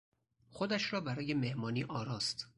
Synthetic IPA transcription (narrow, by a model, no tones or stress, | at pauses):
xod̪æʃɾɒːbæɾɒːjeme̞hmɒːniːʔɒːɾɒːst̪